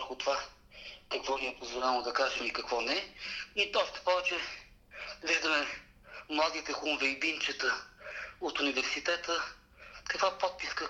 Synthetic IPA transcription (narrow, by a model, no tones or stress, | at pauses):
vəɾxʊt̪ova | kɐkvɔniɛpozvolʲamod̪ɐkaʒɛmikɐkvɔnɛiɔʃt̪ɛ̥pɔvɛt͡ʃɛ | viʒd̪əmɛ | mlˠad̪it̪ɛxumvɛibint͡ʃɛt̪ə | ot̪ʊnivɛɾsit̪ɛt̪ə | kɐkvapɔt̪̚piskə